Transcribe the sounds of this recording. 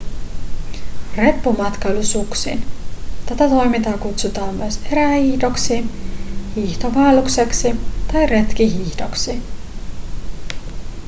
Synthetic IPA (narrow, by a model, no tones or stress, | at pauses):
re̞pːumɑt̪kɑylysuksḭnt̪æt̪æt̪o̞jmit̪ɑːkut̪sut̪ɑːmmyøse̞ɾæhiːçdo̞ksinhiːçt̪oʋɑelukse̞ksit̪ɑjre̞t̪k̟iɦiːçd̥o̞ksi